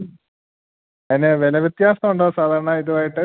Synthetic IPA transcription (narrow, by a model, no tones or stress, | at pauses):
ɐnːeʋelɐʋjet̪jaːsnɐmuɳɖoːsaːd̪ʱaːɾɐɳaːiðuʋaːjiʈːɨ